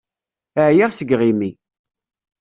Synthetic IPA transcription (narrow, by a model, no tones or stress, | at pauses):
əʕjaʁsəɡʁimi